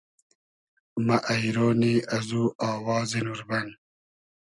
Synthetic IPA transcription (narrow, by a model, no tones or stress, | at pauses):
mɐʔɐjɾoːniːɐzuːʔɑːwɑːzinuɾbɐn